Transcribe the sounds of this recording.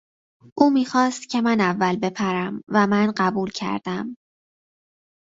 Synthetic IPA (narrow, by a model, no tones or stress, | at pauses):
ʔuːmiːxɒːst̪cʰe̞mænævːælbe̞pʰæɾæmvæmænɢæbuːlcʰæ̰ɾd̪̥æm